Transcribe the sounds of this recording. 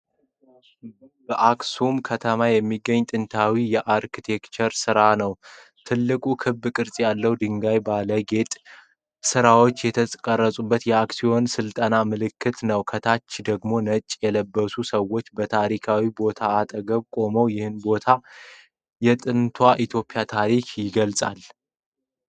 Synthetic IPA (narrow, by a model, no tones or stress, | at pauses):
bəʔaksumkʰət̪ʰəmajɛmːiɡːəɲːt̪ʼɨnt̪ʰawijɛʔaɾkit̪ʰe̞kt͡ʃəɾsɨɾanəw | t̪ʰɨlːɨkʼukʰɨbːkʼɨɾsʼjalːəwd̪ɨŋɡajbaləɡe̞t̪ʼ | sɨɾawo̞t͡ʃːjɛt̪ʰəkʼərːəsʼubːət̪jɛaksijo̞nsɨlt̪ʼənamɨlɨkːɨt̪nəwkʰət̪ʰat͡ʃːd̪əɡmo̞nət͡ʃʼːjɛləbːəsusəwːo̞t͡ʃːbət̪ʰaɾikʰawibo̞t̪ʰaːt̪ʼəɡəβkʼo̞məwjɪhɨnbo̞t̪ʰa | jɛt̪ʼɨnt̪ʰwaʔit̪ʰjo̞pʼijat̪ʰaɾikʰjɪɡəlsʼa̰l